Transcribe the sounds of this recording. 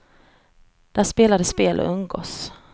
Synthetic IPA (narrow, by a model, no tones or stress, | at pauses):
d̪̥æʂpeːlad̪əspeːlʔə̰ɵŋɡo̰ːs